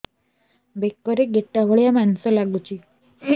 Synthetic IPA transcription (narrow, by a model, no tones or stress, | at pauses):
bekːəɾeɡeʈːaʋəɭjamansɔlaɡut͡ʃʰi